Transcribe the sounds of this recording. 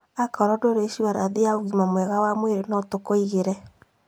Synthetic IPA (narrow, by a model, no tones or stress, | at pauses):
akɔɾɔdoɾeʃuaɾa̰ðeaoɣimamwɛɣawamweɾenɔtokoiɣeɾɛ